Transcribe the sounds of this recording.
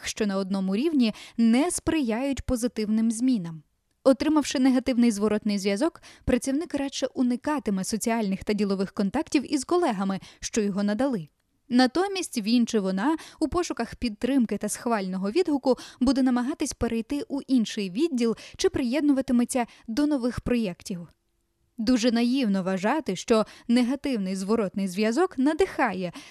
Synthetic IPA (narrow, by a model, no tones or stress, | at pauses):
ʃt͡ʃɔnɐɔd̪̚nɔmʊɾʲiwnʲinɛspɾɪjajʊtʲpɔzɪt̪ɪwnɪmzʲmʲinɐm | ɔt̪ɾɪmɐwʃɪneɦɐt̪ɪwnɪjzʋɔɾɔt̪nɪjzʲʋʲjɐzɔkpɾɐt͡sʲiwnɪkrɑt͡ʃɛʔunɪkɑt̪ɪmɪsɔt͡sʲiɑlʲnɪxt̪ɐdʲilˠɔʋɪxkɔnt̪ɑktʲiwizkɔlˠɛɦɐmɪʃt͡ʃɔjɔɦɔnɐd̪ɐlˠɪ | nɐt̪ɔmʲisʲtʲʋʲint͡ʃɪʋɔnɑupɔʃʊkɐxpʲid̪̚t̪ɾɪmkɪt̪ɐsxʋɑlʲnɔɦɔʋʲid̪ɦʊkʊbud̪ɛnɐmɐɦɑt̪ɪsʲpeɾʔejt̪ɪʔuʔinʃɪjʋʲid̚ʲːilˠt͡ʃɪpɾɪjɛd̪̚nʊʋɐt̪ɪmɪt͡sʲːɐ | d̪ɔnɔʋɪxpɾɔjɛktʲiw | d̪uʒɛnɐjiwnɔʋɐʒɑt̪ɪʃt͡ʃɔneɦɐt̪ɪwnɪjzʋɔɾɔt̪nɪjzʋʲjɐzɔknɐd̪ɪxɑjɛ